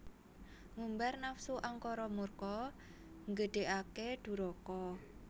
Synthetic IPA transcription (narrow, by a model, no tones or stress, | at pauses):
ŋumbarnafsuʔaŋkɔɾɔmurkɔ | ŋɡəɖ̪̥e̤ʔaked̪̥ṳɾɔkɔ